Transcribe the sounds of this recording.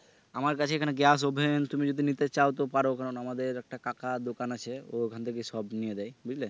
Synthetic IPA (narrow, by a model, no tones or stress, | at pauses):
amaɾk̬at͡ɕʰeekʰaneɡɛs̬obʱent̪umid͡ʑod̪ʱinit̪et͡ɕawt̪̬epaɾokʰanonamad̪eɾɛk̚ʈakakad̪okanat͡ɕʰeoekʰant̪ʰek̬eʃɔbnijed̪ajbud͡ʑle